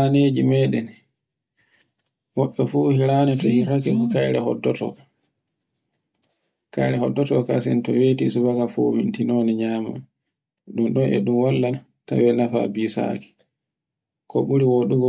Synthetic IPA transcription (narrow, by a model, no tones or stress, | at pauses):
aned͡ʒimɛɗɛn | wɔɓːɔfuhiɾanɛtɔhiɾakɛkɔkajɾɛhɔ̰dɔtɔ̰ | kajɾɛhɔdːɔtɔkasɛntɔwetisubakafowintinoniɲaːma̰m | ɗumɗɔnɛ̰ɗumwalːan | ta̰wɛnafa̰biːsa̰ki̥ | kɔɓuɾiwoɗuɡɔ